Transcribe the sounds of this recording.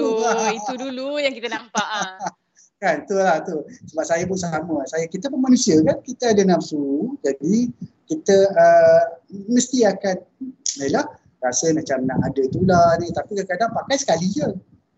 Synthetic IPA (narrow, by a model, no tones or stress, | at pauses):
t̪ulaiudulujaŋkit̪ənapa | kant̪ulaht̪usəbap̚sajap̬ʊnsaməsajakit̪əpəmanũsiakankit̪əadənapsud͡ʒadi | kit̪əə | məst̪iakanəlah | rasənãt͡ʃamnaʔadət̪ulanĩt̪apikəkadaŋpakajsə̥kalid͡ʒə